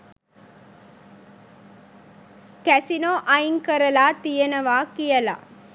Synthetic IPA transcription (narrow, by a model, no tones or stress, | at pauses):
kæsinoːʔɐjŋkɐɾɐlaːt̪ɪjɐnɐʋaːkɪjɐla̰ː